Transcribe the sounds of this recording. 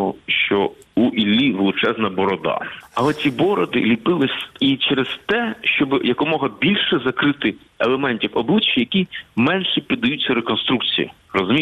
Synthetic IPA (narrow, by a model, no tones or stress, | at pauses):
ɔʃt͡ʃɔuʔilʲːiʋelˠʊt͡ʃɛznɐbɔɾɔd̪ɑ̰ɐlˠɛt͡sʲibɔɾɔd̪ɪ̰lʲipɪlˠɪsʲit͡ʃɛɾezt̪ɛʃt͡ʃɔbɪjɐkɔmɔɦɐbʲilʲʃɛzɐkɾɪt̪ɪ | elˠemɛnʲtʲiwɔblˠɪt͡ʃːijɐkʲimɛnʃɛpʲid̪ːɐjut͡sʲːɐɾekɔnst̪ɾuk̚t͡sʲijḭ | rɔzʊmʲi